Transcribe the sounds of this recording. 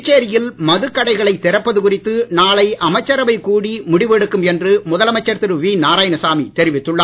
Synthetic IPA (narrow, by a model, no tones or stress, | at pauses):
t͡ʃːeːɾɪjɪlmɐðɯkːɐɽɐɪɣɐɭɐɪt̪ːɪɾɐpːɐðɯkʊrɪt̪ːɯnaːɭɐɪʔɐmɐɪt͡ʃːɐɾɐʋɐɪkuːɽimʊɽɪʋɛɽɯkːɯmɛndrɯmʊðɐlɐmɐɪt͡ʃːɐɾt̪ɪɾʋiːnaːɾaːjɐnɐsaːmit̪ɛɾɪʋɪt̪ːɯɭːa